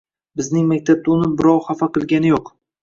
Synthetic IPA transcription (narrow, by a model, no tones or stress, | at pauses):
bɪznɪŋmak̚ʲt̪ʰab̚t̪ʊnɪbɪɾɒwχafaqɨlˠɡʲanɪjoq